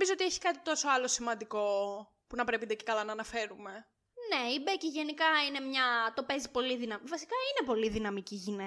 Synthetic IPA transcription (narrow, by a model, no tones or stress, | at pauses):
mizoo̞t̪ieçi̥kɐt̪i̥t̪o̞so̞ɐlo̞simɐnd̪iko̞ | punɐpɾepind̪eci̥kɐlɐnɐːnɐfe̞ɾume̞ | ne̞ibeciʝe̞nikɐine̞mɲɐt̪o̞pe̞zipo̞liðinɐmvɐsi̥kɐine̞po̞liðinɐmiciʝine